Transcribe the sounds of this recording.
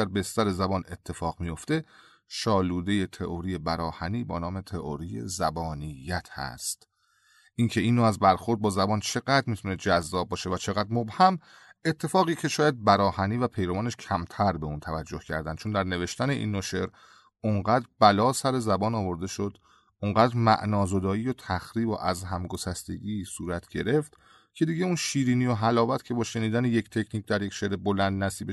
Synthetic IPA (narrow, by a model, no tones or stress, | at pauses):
æɾbest̪æɾe̞zæbɒːne̞t̪ʰːe̞fɒːɣmijo̞ft̪e̞ | ʃɒːluːd̪e̞je̞t̪ʰe̞ʔoɾije̞bæɾɒːhæniːbɒːnɒːme̞t̪ʰeʔoɾije̞̰zæbɒːnijːæt̪ʰhæ̰st̪ | ʔincʰe̞iːnːoæzbæɾxo̞ɾd̪̚bɒːzæbɒːnt͡ʃʰe̞ɡæd̪ɾmit̪ʰuned͡ʒæzːɒːb̚bːɒːʃe̞væt͡ʃʰe̞ɣæːd̪ɾmobhæm | e̞t̪ʰːe̞fɒːɣiːcʰe̞ʃɒːjæd̪̚bæɾɒːhæniːvæpʰe̞jɾomɒːneʃcʰæmt̪ʰæɾbe̞unt̪ʰævæd͡ʒːohcʰæ̰ɾd̪ænd̪̚t͡ʃʰond̪æɾne̞ve̞ʃt̪æne̞ʔḭːnːoʃeɾ | oɴɢæːd̪ɾbælɒːsæɾe̞zæbɒːnɒːvo̞ɾd̪e̞ʃod̪ | ʔoŋɢæːd̪ɾmæ̰ʔnɒːzo̞d̪ɒːiːjot̪ʰæxɾiːbo̰ʔæzɦæmɡosæst̪e̞̰ɟiːsuːɾæt̪ʰɟ̥e̞ɾe̞ft̪ | cʰe̞d̪iːɟe̞unʃiːɾiːnijoɦælɒːvæt̪cʰe̞bɒːʃe̞niːd̪ænejecʰt̪ʰe̞cʰniːc̚d̪æɾje̞cʃeɾebolænd̪næsiːbe